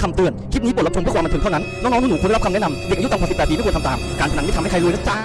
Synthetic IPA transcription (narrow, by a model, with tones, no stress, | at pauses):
kʰa˧mt̪ɯ˨˩ənkʰt̪̚ni˦˥po˨˩la˥˧˥kwaː˧m˧t̪ʰːŋt̪ʰa˥˩na˦˥nnɔː˥ŋnɔ˦˥nʰː˧˥˩uː˨˩kn˧˥˩kʰnɛ˦˥na˧mde˨˩kʔju˥a˧kʰaː˨˩spːɛː˨˩˧kt̪ʰa˧t̪aː˧mkaː˧nt͡ɕ̪ʰa˧a˨˦˥nːi˦˥˩hkʰa˧jlu˦˥jla˦˥t͡ɕa˥˩